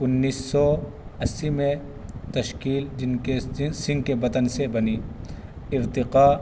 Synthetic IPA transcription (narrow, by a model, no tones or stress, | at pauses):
ʊnːiːsːɔː | ɐsːimẽ | t̪ɐʃkiːld͡ʒɪnesɪ̃ŋɡkebɐt̪ənsebɐniː | ɪɾt̪ɪqaː